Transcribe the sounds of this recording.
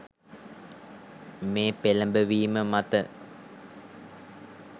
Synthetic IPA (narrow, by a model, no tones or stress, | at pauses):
meːpeləmbəʋiːməmat̪ə